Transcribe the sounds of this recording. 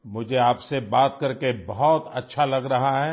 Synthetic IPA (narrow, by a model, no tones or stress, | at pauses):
mʊd͡ʒʱeaːpsebaːt̪kɐɾkebɐɦɔt̪ɐ̰tːʃʰalɐɡɾɐɦaɦɛː